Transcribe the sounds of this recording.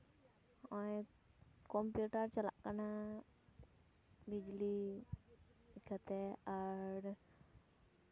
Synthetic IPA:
ɔj | kɔmpjuʈaɾt͡ʃəla̰ʔkana | bid͡ʒli | kʰat̪ɛaɾ

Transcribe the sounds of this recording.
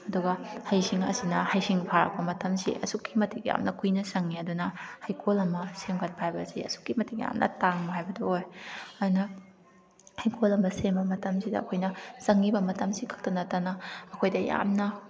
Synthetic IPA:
ɐduɡɐhɐjsiŋɐ̰sinɐhɐjsiŋpʰaɾɐ̰k̚pɐmɐtʰɐmsḭʔɐ̰sukːimɐtʰik̚ja̰mnɐkʰujnɐsɐŋːiɐdunɐhɐjkʰolɐmɐsemkʰɐt̚pʰajbɐsiɐ̰su̥kːimɐtʰikja̰mnʔɐ̰taŋmɐɦajbɐdɐojɐdunɐ | hɐjkʰolɐmbɐsembɐmɐtɐmsidɐ̰ːkʰojnɐsɐŋːibɐmɐtɐmsikʰɐ̥k̚tɐnɐtːɐnɐɐkʰojdɐja̰mnɐ

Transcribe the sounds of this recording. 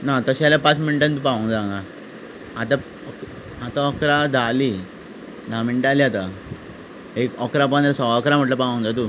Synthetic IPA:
nat̪əɕalapãt͡smiɳiʈant̪̬upaʋəŋd͡zaŋɡa | at̪a | ɔk | at̪aɔkɾad̪ʱali | d̪ʱamiɳʈaliat̪a | ekɔkɾap̬ənd̪ɾasɔɔkɾam̤əʈləpaʋə̃ŋd͡zat̪u

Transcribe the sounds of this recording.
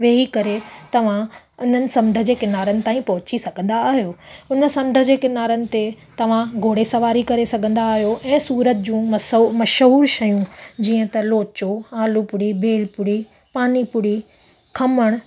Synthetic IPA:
ʋeːɦikɐɾet̪ɐʋ̤ã | ʊn̤ənɪ̆sɐ̃mɖ̪ʱə̆d͡ʑeːkɪnaːɾənɪ̆t̪aːĩpɐɦʊt͡ɕisɐɡʱə̃nd̪aːɦijoːʊnə̆sɐ̃mɖ̪ʱə̆d͡ʑeːkɪnaːɾənɪ̆t̪et̪ɐʋ̤ãɡʱoːɽesɐʋaːɾikɐɾesɐɡʱə̃n̆d̪aːɦijoʔɛ̃ːsuːɾət̪̚d͡ʑũːmɐmɐʃɦuːɾʃɐjũd͡ʑiːə̃t̪ɐloːt͡ɕoaːlupʊɽibʱeːlpʊɽi | paːnipʊɽi | kʰɐməɽ̃

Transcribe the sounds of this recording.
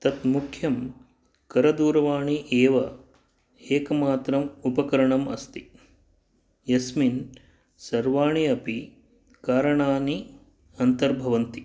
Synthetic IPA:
t̪ɐt̪mukʰjɐm | kɐɾɐd̪uːɾɐʋaːɳiʔeːʋɐ | eːkɐmaːt̪ɾɐmupɐkɐɾɐɳɐmɐ̰st̪i | jɐsmin | sɐɾʋaːɳiɐpi | kaːɾɐɳaːni | ɐnt̪ɐɾbʱɐʋɐnt̪i

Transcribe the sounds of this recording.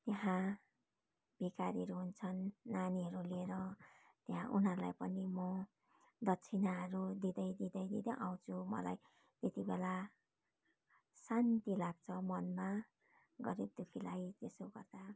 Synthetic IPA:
t̪eɦã | b̥ikaɾiɦʌɾuɦunt͡sʰʌnːaniɦʌɾulieɾʌ | t̪eɦã̰ʔunɦʌɾula̰jpʌnimʌ | d̪ʌtːt͡sʰinaɦʌɾud̪id̪ʌjd̪id̪ʌjd̪id̪ʌjʔaw̃t͡sʰumʌ̰la̰j | t̪et̪ibela | sant̪ilaɡ̚t͡sʰʌmʌnma | ɡʌɾib̚d̪ukʰilajt̪esoɡʌrd̪a

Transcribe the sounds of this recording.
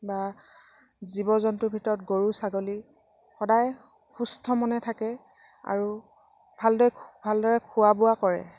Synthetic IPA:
ba | zibɔzɔntʊbʱitɔɹɔt̚ɡoɹusaɡoli | xɔdaj | xustʰɔmɔnɛtʰakɛ | a̰ɹu | bʱaldɔjbʱaldɔɹɛkʰʊwabʊwakɔɹɛ̰

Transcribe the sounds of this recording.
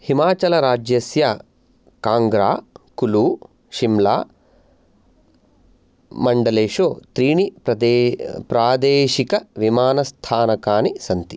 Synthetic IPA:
himaːt͡ʃɐlɐɾaːd͡ʒjɐsja | kaːŋɡɾaːkuluː | ʃimlaː | mɐɳɖɐleːʂoːt̪ɾiːnipɐd̪pɾaːd̪eːʃikɐʋimaːnɐst̪ʰaːnɐkaːnisɐnt̪i

